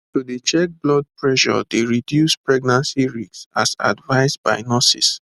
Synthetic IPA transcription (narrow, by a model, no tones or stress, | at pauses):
tudit͡ʃɛk̚blɔd̚pɹɛʃɔ̰deɹidjuspɹɛɡ̚nãnsiɹiksa̰sa̰dvaɪsba̰ɪnɔsḭs